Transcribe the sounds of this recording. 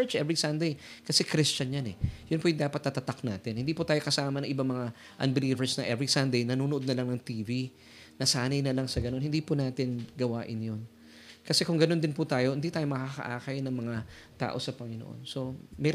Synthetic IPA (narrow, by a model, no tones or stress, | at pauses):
t͡ʃʔɛvɹisɐnd̪ej | kɐsɛkɾist͡ʃɐnjanɛjʊnpʊjʊŋd̪aːpɐt̪̚ːɐt̪ɐt̪ak̚naːt̪ɪnhɪnd̪iːpʊt̪aːjokɐsaːmɐnɐŋʔɪbaŋmɐŋa | ʔɐ̰nbɪliːvɛɹsnɐŋʔɛvɹisand̪ɛjnɐnuːnoʔod̪nɐlɐŋnɐŋt̪iːvi | nɐsaːnɐjnɐlaŋsɐɡɐno̞nhɪnd̪iːpʊnaːt̪ɪnɡɐwaːʔɪnjon | kɐsɛkʊŋɡɐno̞nd̪ɪnpʊt̪aːjo̞hɪnd̪iːt̪aːjomɐkakɐ̰ʔaːkɐjnɐŋmɐŋa | t̪a̰ːʔo̞sɐpɐŋɪnoʔo̰nso̞mɛ